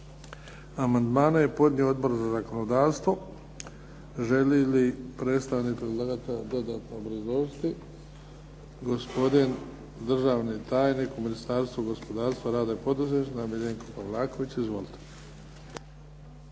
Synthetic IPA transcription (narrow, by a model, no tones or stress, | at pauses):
amand̪maːnaje̞po̞d̪ɲʲiood̪bo̞ɾzazako̞nod̪aːɾst̪ʋo̞ | ʒelilipɾeːt̪st̪aʋnipɾed̪lˠaːɡat̪ad̪o̞d̪aːt̪noobɾazost̪i | ɡo̞spo̞d̪in | d̪r̩ʒaːʋnit̪aːjnikuminist̪aːɾst̪ʋuɡo̞spo̞d̪aːɾst̪ʋaɾaːd̪aepo̞d̪uzeʃnamiʎeːŋkopaʋlˠaːko̞ʋit͡ɕizʋo̞lit̪ʰe̥